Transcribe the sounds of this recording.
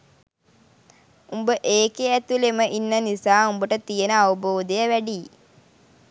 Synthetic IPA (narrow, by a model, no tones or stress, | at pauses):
umbəʔeːkeæt̪uleməʔinːənisaːumbəʈət̪ijənəaʋuboːd̪ejəʋæɖi